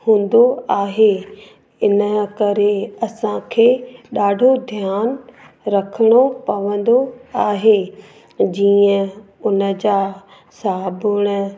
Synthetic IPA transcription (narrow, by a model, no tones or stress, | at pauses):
hũːn̆d̪oaːɦe | ɪnəkɐɾeɐsãkʰeːɗaːɖʱod̪ʱjaːn | ɾɐkʰəɽ̃opɐʋə̃n̆d̪oaːɦe | d͡ʑiːə̃ʊnə̆d͡ʑaː | saɦbʊɽ̃ʊ̆